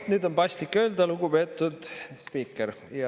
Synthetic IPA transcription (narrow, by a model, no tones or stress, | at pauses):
nyːd̪o̞npɑsʲt̪likːˑø̞ːld̪ɑluɡupe̞t̪ːˑud̪̥spiːkːˑeɾjɑ